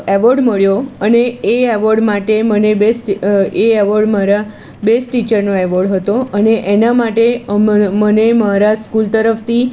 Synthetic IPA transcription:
eʋoɾɖməɭjoəneːeʋoɾɖmaʈemənebesʈeɛʋəɾɖmaɾa | besʈʈit͡ʃəɾnoeʋoɾɖɦət̪oəneʔenamaʈemənemaɾaskult̪əɾəft̪ʰi

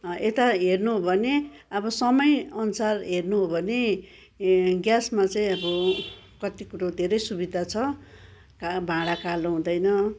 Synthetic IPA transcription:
et̪aɦernuɦobʱʌne | ʌbʌsʌmʌjʌnusarɦernuɦobʱʌne | ɡjasmat͡saĩʌbʌ | kʌt̪ikuɾod̪ʱeɾʌjsubid̪ʱat͡sʰʌ | kabʱãɽakaloɦũd̪ʌjnʌ

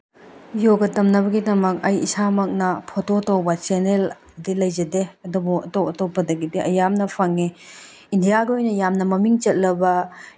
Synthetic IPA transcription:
joɡɐtɐmnɐbɐɡidɐmɐk̚ɐjisamɐk̚nɐpʰototɐwbɐt͡ʃenel | dilɐjzɐdeɐdubuɐtowɐtopːɐdɐɡidiʔɐjamnɐpʰɐŋe | indijaɡiojnɐjamnɐmɐmiŋt͡ʃɐt̚lɐbɐ

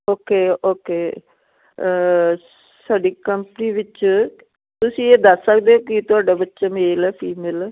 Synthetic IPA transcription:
oːkeːoːkeː | saːɖiːkəmpəniːʋɪt͡ʃ | t̪ʊsĩːeːd̪əsːək̚d̪eːɦoːkɪt̪ʊaːɖaːbətːʃaːmeːlɛːpʰiːmeːl

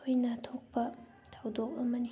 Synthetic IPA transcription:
ojnɐtʰok̚pɐ | tʰawdok̚ɐmɐni

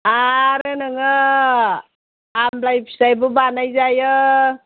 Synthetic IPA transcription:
aɾɯnaŋa | mlajpʰi̥sajbɔbanajzajə

